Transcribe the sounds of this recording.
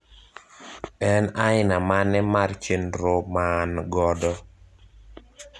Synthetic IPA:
ɛnaɪnamanːɛmart͡ʃendɾomanɡɔdɔ

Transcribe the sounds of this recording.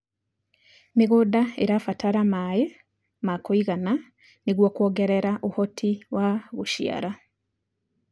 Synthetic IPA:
miɣudaḛɾafataɾamaje | makoiɣana | niɣwokwoːɡeɾeɾaʔohotʰiwʔaɣuʃja̰ɾa

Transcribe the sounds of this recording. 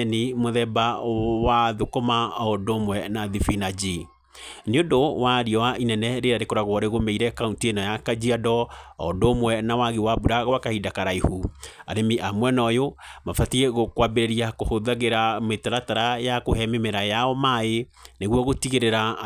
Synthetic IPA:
nimoðɛbawaðokomaɔdomwɛnaðifinad͡ʒi | neondowaɾiɔwaʔinɛnɛɾeɾaɾekoɾaɣwɔɾeɣomeiɾɛkauntienajakad͡ʒiadɔɔ̰domwɛnawaɣewabuɾaɣowakahidakaɾaihuaɾemiʔamwɛnɔjomafatiɛɣokwabeɾeɾiakohoðaɣeɾametaɾataɾajakohɛmemeɾajaɔmae | neɣwɔɣotiɣeɾeɾa

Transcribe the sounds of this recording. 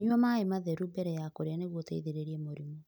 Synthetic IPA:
ɲuɔmaemaðɛɾubɛɾɛjakoɾeaneɣwotɛiðeɾeɾiɛmoɾimo

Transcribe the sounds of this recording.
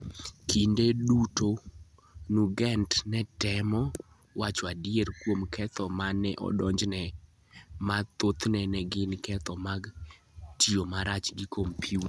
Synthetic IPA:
kindeduto | nuɡɛntnɛtɛmɔ | wat͡ʃɔadieɾkwomkʰɛt̪ɔmanɛʔɔ̰dɔɲd͡ʒnɛ | mat̪ot̪nɛnɛɡɪnkɛt̪ʰɔmaɡ | tiomaɾat͡ʃɡɪkʰompʰjut

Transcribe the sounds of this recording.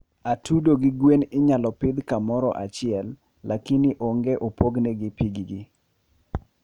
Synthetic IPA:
atudoɡɪɡwenɪɲalɔpɪd̪kamɔɾɔʔa̰t͡ʃɪɛlː | akinɪʔoŋɡeʔopoɡneɡɪpiɡiɡi

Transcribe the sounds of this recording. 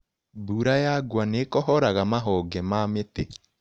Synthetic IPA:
buːɾajaɡwanekɔɦɔɾaɣamaɦɔɡɛmamete

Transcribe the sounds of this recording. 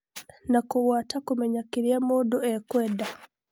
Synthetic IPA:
nakuɣwatakumɛɲakiɾiamuduɛkwɛda

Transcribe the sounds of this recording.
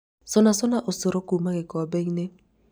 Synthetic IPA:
sonasonaʔosoɾokumakɪkɔbɛŋne

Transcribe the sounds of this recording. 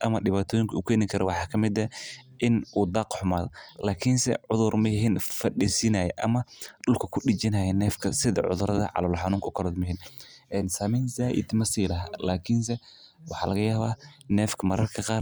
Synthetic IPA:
ʔɐmɐɗɪβaːt̪ʰɔːjɪŋkʰɐuːkʰɛːnɪkʰɐɾɔwɑħɑːkʰɐmɪd̪ɐʔɪnʔuːd̪ɑːqħʊmaːðɔlaːkʰɪnsɛ̰ʕʊðʊrmɐjɪɦiːnfɐɗisɪnaːjɛʔɐmɐɗʊlkʰɐkʰʊɗɪt͡ʃɪnɐjɛnɛːfkʰɐsɪðɐ̰ʕʊ̰ðʊɾɐðɐ̰ʕɑ̰lɔlħɑnuːŋkʰːkʰɐlɔd̪mʊɦiːnʔɛːnsaːmɛnsaːʔɪ̰d̪mɐsiːlɐɦalaːkʰɪns̬ɛ | wɑħɑːlɐɣɐjaːβaːnɛːfkʰɐmɐɾɐrkʰɐqɑːr

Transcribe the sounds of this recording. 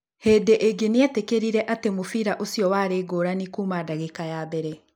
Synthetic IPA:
hedeʔeɡenietekeɾiɾɛʔatemofiɾaʔosiɔwaːɾeːɡoːɾanikuːmadaɣekajabɛɾɛ

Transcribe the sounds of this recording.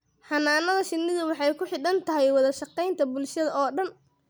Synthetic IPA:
ħɐnaːnɐðɐʃɪnːɪðʊwɑħɑjkʰʊħɪɗɐnt̪ʰɐɦɛjwɑðɐʃɑqɛjnt̪ʰɐbʊlʃɐðɐʔɔːɖɐn

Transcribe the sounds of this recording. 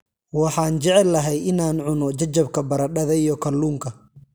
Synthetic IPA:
wɑħɑːnt͡ʃɛʕɛlːɐɦɛjɪnaːnʕʊnɔt͡ʃɐt͡ʃːɐb̚kʰɐbɐɾɐɖɐðɐijɔkʰɐluːŋkʰɐ

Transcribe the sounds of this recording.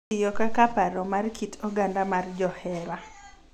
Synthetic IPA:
ɪjɔkakapaɾɔmarkʰitʰoɡandamard͡ʒɔhɛɾa

